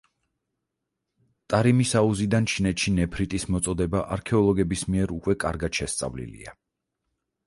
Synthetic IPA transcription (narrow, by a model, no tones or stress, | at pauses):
t̪ʼaɾimisauzid̪ant͡ʃʰinɛt̪ʃinɛpʰɾit̪ʼismɔt̪sʼɔd̪ɛbaʔaɾkʰɛɔlˠɔɡɛbismiɛɾukʼwɛkʼaɾɡad̪̥ʃɛst̪sʼa̰vlḭlḭa̰